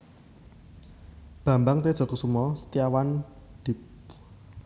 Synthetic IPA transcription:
b̥ä̤mbaŋt̪ed̥ʒ̥ɔ̤kusumɔsə̥t̪ijawan | d̪̥i̤p

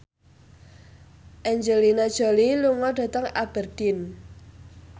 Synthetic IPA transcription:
ʔɛɲd͡ʒelinad̥ʒ̥ɔ̤liluŋɔɖ̥ä̤t̪əŋab̥ərd̥ɪn

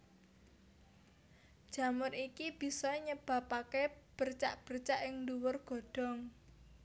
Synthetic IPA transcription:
d̥ʒ̥ä̤mʊrikib̥i̤sɔɲəb̥a̤pakeb̥ərt͡ʃa̰ʔb̥ərt͡ʃaʔɪŋduwʊrɡ̥ɔ̤ɖ̥ɔ̤ŋ

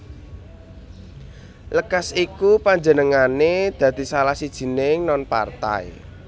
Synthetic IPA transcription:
ləkasikupaɲd͡ʒənəŋaned̪̥ä̤d̪̥i̤salahsid̥ʒ̥i̤nɪŋnɔnpa̰rt̪a̰j̰

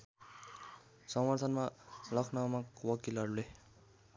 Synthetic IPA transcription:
sʌmwʌrt̪ʰʌnmalʌkʰnʌmakwʌkilʌɾule

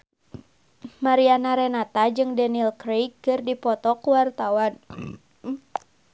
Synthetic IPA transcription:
maɾianaɾɛnat̪ad͡ʒɨŋdɛnilkɾekːɨrdipɔt̪ɔkuwart̪awan

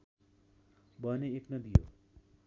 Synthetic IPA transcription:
bʌneeknʌd̪ijo̰

